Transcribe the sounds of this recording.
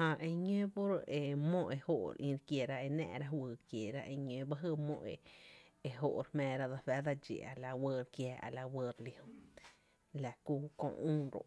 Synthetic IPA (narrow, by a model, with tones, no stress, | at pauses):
hã˧˨ʔe˧ɲẽ˦po˦ɾe˨mõ˦˧ʔe˧ho˦˧ʔɾʔĩ˧ɾkje˨ɾa˦ʔe˧nɛ̰̃˧ʔɾa˦hwɨː˧˨kje˨ɾa˦ʔe˧ɲẽ˧˦ba˦ɦɨ˧mõ̰˧ʔe˨e˧ɦo˦˨ʔɾhmɛ̃ː˧˨ɾa˦d̪a˧fɛ˦d̪a˧d͡ʒḛ˨a̰˨la˧wəː˧ɾkjɛː˧˨ʔa̰˨la˧wə˧ɾli˧ho˧ | la˨ku˧˦kõ̰˧ʔũː˦ɾo̰˨ʔ